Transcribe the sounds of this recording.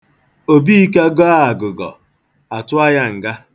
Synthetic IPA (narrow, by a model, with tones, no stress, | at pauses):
o˦bi˦i˦ka˦ɡɔ˦a˦a˨ɡʊ˨ɡɔ̰˨ | a˨tʊ˦a˦ja˦ŋ̩˨ɡa˦